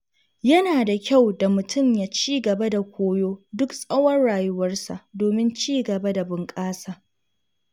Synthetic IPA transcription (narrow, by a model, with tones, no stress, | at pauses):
jɐ˦naː˨da˨kʲa˦˨wda˨mʊ˨tʰʊ˦˨mja˨t͡ʃiː˦ɡɐ˨ba˦da˨kʷoː˦joː˦dʊ˦ksʼɐ˦wɐ˦rɽaː˨jʊ˦wɐ˦rsa̰˨ʔdoː˨mɪ˦nt͡ʃiː˦ɡɐ˨ba˦da˨bʊ˨ŋkʼaː˦saː˨